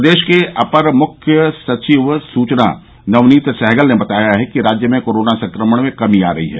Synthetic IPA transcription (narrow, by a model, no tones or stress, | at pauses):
d̪eːʃkeʔɐpəɾmʊkʰjəsɐt͡ʃiʋsuːt͡ʃna̰ | nɐʋniːt̪sɛɦɡəlnebɐt̪aːjaɦɛkiɾaːd͡ʒjəmẽkoːɾoːnasɐ̃ŋkɾəməɽ̃mẽkɐmia̰ːɾɐ̰ɦḭɦɛ̰ː